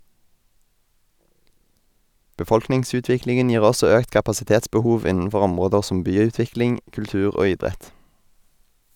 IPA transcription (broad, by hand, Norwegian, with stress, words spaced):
bəˈfɔlknɪŋˌsʉːtʋɪklɪŋn̩ ˈjiːʁ ˈɔsɔ ˈøːkt kɑpɑsɪˈteːtsbəˌhuːʋ ˈɪnənˌfɔʁ ˈɔmʁoːdəʁ ˈsɔm ˈbyːˌʉːtʋɪklɪŋ kʉlˈtʉːʁ ˈoː ˈɪdʁɛt